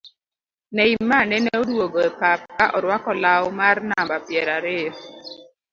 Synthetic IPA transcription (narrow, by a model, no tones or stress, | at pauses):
nɛimːanɛnɛodwoɡɔɛpap̚kaʔɔɾwakɔlawmarnambapjɛɾaɾɪɔ